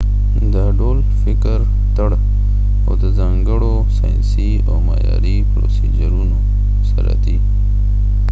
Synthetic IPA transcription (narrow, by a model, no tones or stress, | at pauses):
d̪əɖoːl | fɪkəɾ | t̪əɽ | o̰d̪əzaŋɡəɽo | saːjnsi | omajaɾipɾo̰sid͡ʒəɾuno | səɾa̰t̪i